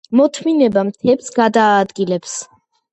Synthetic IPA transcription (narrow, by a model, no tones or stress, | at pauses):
mɔt̪ʰminɛbamt̪ʰɛpsɡad̪aːd̪ɡilɛps